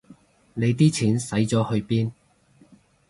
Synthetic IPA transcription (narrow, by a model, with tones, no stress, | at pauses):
ne˨˧jt̪iː˥t͡sʰiː˨˥nsɐ˨˥jt͡sɔː˨˥hɵ˧ɥpiː˥n